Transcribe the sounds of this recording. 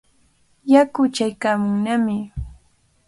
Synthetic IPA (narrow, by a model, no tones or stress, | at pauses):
jakʊt͡ʃajkaːmʊŋnamɪ